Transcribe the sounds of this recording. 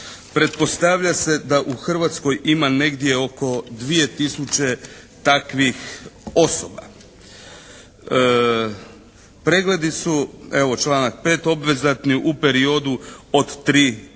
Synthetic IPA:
pɾe̞t̪̚po̞st̪aʋʎase̞d̪aʔuxr̩ʋat̪sko̞jimane̞ɡd̪je̞o̞ko̞d̪ʋije̞t̪isut͡ɕe̞t̪akʋixo̞soba̰ | pɾe̞ɡle̞d̪isueʋo̞t͡ʃlˠaːnak̚pe̞ːt̪o̞bʋe̞zat̪niʔupe̞ɾio̞d̪uod̪t̪ɾiː

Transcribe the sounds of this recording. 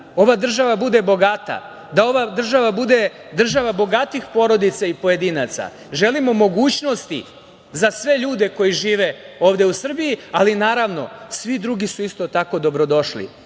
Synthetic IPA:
o̞ʋad̪r̩ʒaʋabud̪e̞bo̞ɡat̪a̰ | d̪ao̞ʋad̪r̩ʒaʋabud̪e̞ | d̪r̩ʒaʋabo̞ɡat̪ixpo̞ɾo̞d̪it̪saipo̞je̞d̪iːnat̪sa̰ | ʒe̞limo̞mo̞ɡuːt͡ɕno̞st̪ḭ | zasʋe̞ʎuːd̪e̞ko̞jiʒiːʋe̞o̞ːʋd̪e̞usr̩bijialinaːɾaʋno̞̰sʋid̪ɾuɡisuist̪o̞t̪ako̞d̪o̞bɾo̞d̪o̞ʃlḭ

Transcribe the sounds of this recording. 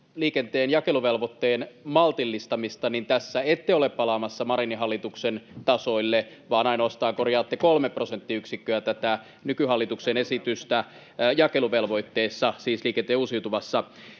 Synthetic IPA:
liːkent̪eːnjɑkeluʋelʋot̪ːeːnmɑlt̪ilːist̪ɑmist̪ɑnint̪æsːæet̪ːeoleppɑlɑmɑsːɑmɑɾiniɦɑlːit̪uksent̪ɑsoilːeʋɑːnɑinoɑst̪ɑːŋkorjɑːt̪ːekolmeprosent̪ːiyksikːøæt̪æt̪æ | nykyhɑlːit̪uksenesit̪yst̪æ | jɑkeluʋelʋo̞it̪ːeːsːɑsiːsliːkent̪eːuːsiut̪uʋɑsːɑ

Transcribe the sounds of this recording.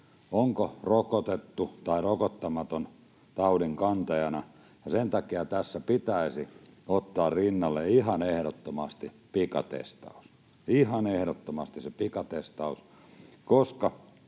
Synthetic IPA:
oŋkorokot̪et̪ːut̪ɑirokot̪ːɑmɑt̪on | t̪ɑuliŋkɑnt̪ɑjɑnɑ | jɑsent̪ɑkiɑt̪æsːæpit̪æisiot̪ːɑːrrinːɑlːeihɑnehɾot̪ːomɑst̪i | pikɑ̰t̪ḛst̪ɑ̰u̥s | ihɑnehɾot̪ːomɑst̪isepikɑt̪est̪ɑus | koskɑ

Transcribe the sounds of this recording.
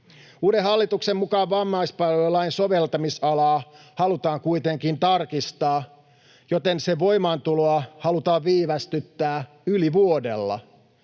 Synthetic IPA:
uːdeɦɑlːit̪uksemmukɑːʋːɑmːɑispɑloolɑinso̞ʋelt̪ɑmisɑlɑːhɑlut̪ɑːŋkuit̪eŋkint̪ɑrkist̪ɑː | jot̪enseʋo̞jmɑːnt̪uloɑhɑlut̪ɑːʋʋiːʋæst̪yt̪ːæː | yliʋuo̞dḛlːɑ̰

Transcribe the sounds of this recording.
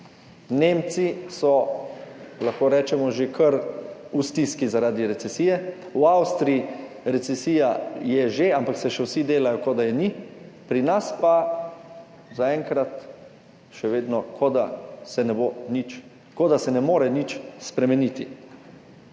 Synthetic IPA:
neːmt̪sisɔ | laxkoːɾɛːt͡ʃɛmɔʒekʰəɾust̪iskizaɾaːd̪iɾɛt̪sɛsiːjɛ | wawst̪ɾii | ɾɛt̪sɛsiːjajɛʒeampaksɛʃɛwsid̪eːlajɔkod̪ajɛnipɾinaspa | zaɛŋkɾat̪ | ʃɛʋeːd̪nɔkod̪asɛnɛbonit͡ʃ | kod̪asɛnɛmoːɾɛnit͡ʃspɾɛmɛnit̪i

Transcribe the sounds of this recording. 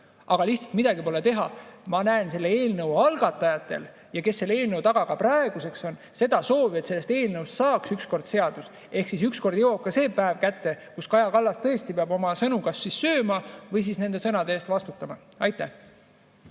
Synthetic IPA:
ʔɑɡ̥ɑliht̪sɑ̥lt̪mid̪̥ɑɡipo̞le̞t̪e̞ɦɑmɑnæense̞lːee̞ːlnɤwɑlɡ̥ɑt̪ːˑɑjɑt̪ːˑe̞̰l | jɑke̞sːe̞lːe̞ːlnɤwt̪ɑɡ̥ɑkɑprɑe̞ɡ̥use̞kso̞n | se̞d̪̥ɑso̞ːviet̪se̞lːest̪e̞ːlnɤwst̪sɑːksyksko̞rd̪̥se̞ɑd̪̥us | e̞hksisyksko̞rd̪jowokːˑɑse̞ːpːæevkæt̪ːe̞kuskɑjɑkɑlːɑst̪ɤ̞e̞st̪ipeɑbo̞mɑsɤnukɑsːissø̞ːmɑvɤjs̬iːsne̞nd̪e̞sɤnɑd̪eeːst̪vɑst̪ut̪ːˑɑmɑɑjt̪ːˑæh

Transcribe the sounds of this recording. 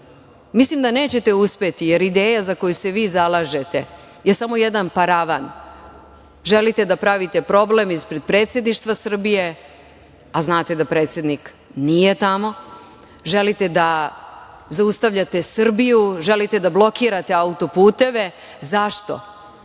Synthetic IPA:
mislimd̪ane̞ːt͡ɕe̞t̪euspe̞t̪ijeɾid̪e̞ːjazako̞juse̞ʋiːzalˠaːʒe̞t̪e̞̰ | jesamo̞jed̪anpaɾaʋan | ʒe̞lit̪e̞d̪apɾaʋit̪e̞pɾo̞ble̞mispɾe̞d̪̚pɾe̞ːt̪sje̞d̪niʃt̪ʋasr̩bije̞ | aznaːt̪e̞d̪apɾe̞ːt̪sje̞d̪nik | nije̞t̪amo̞ | ʒe̞lit̪e̞d̪a | zaust̪aʋʎat̪e̞sr̩bijuʒe̞lit̪e̞d̪ablˠo̞kiːɾat̪e̞aut̪o̞puːt̪e̞ʋe̞ | zaʃt̪o̞̰

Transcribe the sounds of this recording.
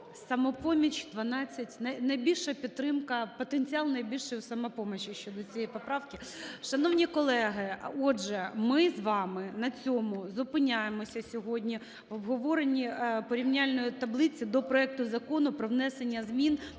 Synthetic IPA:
sɐmɔpɔmʲit͡ʃd̪ʋɐnɑt͡sʲːɐtʲnɐjnɐjbʲilʲʃɐpʲit̪ːɾɪmkɐpɔt̪enʲt͡sʲiɑlˠnɐjbʲilʲʃɪjʊsɐmɐpɔmɐt͡ʃɪʃt͡ʃɔd̪ɔt͡sʲijɛjpɔpɾɑwkɪʃɐnɔwnʲikɔlˠɛɦɪɔʒɛmɪzʋɑmɪnɐt͡sʲɔmʊzʊpɪnʲajemɔsʲɐsʲɔɦɔdʲnʲi | ʋɔbɦɔʋɔɾenʲːipɔɾʲiwnʲalʲnɔjʊt̪ɐblˠɪt͡sʲid̪ɔpɾɔɛk̚t̪ʊzɐkɔnʊpɾɔwnɛsenʲːɐzmʲin

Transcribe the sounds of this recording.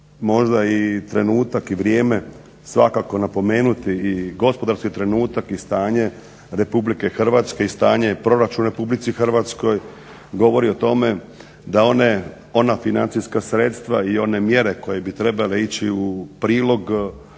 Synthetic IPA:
mo̞ʒd̪ait̪ɾe̞nuːt̪akiʋɾjeːme̞ | sʋa̰kako̞napo̞me̞ːnut̪iːɡo̞spo̞d̪aɾskit̪ɾe̞nuːt̪akist̪aːɲe̞ | ɾe̞publike̞xr̩ʋaːt̪ske̞ist̪aːɲe̞pɾo̞ɾat͡ʃunɾe̞publit̪sixr̩ʋat̪sko̞j | ɡo̞ʋo̞ɾio̞t̪o̞me̞ | d̪ao̞ne | o̞nafinant̪siskasɾe̞t̪st̪ʋaio̞ne̞mje̞ɾe̞ko̞je̞bit̪ɾe̞bale̞it͡ɕiupɾiːlˠo̞ɡ

